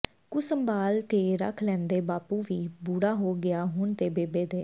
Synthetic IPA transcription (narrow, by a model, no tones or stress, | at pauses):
kʊsəmbaːlt̪eːɾə̰kʰlɛ̃ːnd̪eːbaːpuːʋiːbuːɽaːɦoːɡɪaːɦʊɳt̪eːbeːbeːd̪eː